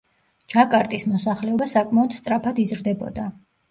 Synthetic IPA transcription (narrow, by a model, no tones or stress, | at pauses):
d͡ʒakʼaɾt̪ʼismɔsaχlɛɔbasakʼmaɔd̪̥st̪sʼɾapʰad̪izɾd̪ɛbɔ̰d̪a